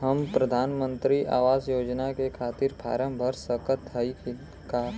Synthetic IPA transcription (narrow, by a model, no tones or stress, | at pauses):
ɦəmpɾəd̪ʱaːnmə̃nt̪ɾiʔa̰ːʋaːzjoːd͡ʒnakekʰaːt̪ɪɾpʰa̰ːɾə̃mbʱəɾsəkət̪ʰːəik | ka